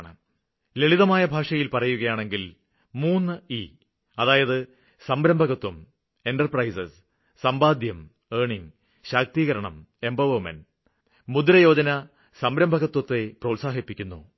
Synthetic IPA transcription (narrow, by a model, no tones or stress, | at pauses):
ɳɨ̰ | le̞ɭiðɐmaːjɐbʱaːʂɐjilpɐrɐjuɣɐjaːɳe̞ŋɡil | muːnːɨi | ɐðaːjɐðɨ | sɐmbɾɐmbʱɐɣɐt̪ːwum | e̞nʈɐrprɐjsɐs | sɐmbaːd̪jɐm | eːɳiŋ | ɕaːk̚t̪iːɣɐɾɐɳɐm | e̞mbɐʋɐmḛn | mud̪ɾɐjo̞ːd͡ʑɐnɐ | sɐmbɾɐmbʱɐɣɐt̪wɐt̪ːe̞prɐusaːɦipːikʲːunːṵ